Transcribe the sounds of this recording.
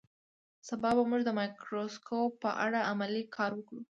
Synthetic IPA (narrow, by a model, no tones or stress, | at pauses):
sabɑbamuʒd̪əmɑjkɾoskopːəʔa̰ɽaamalikʰɑɾwəkɽu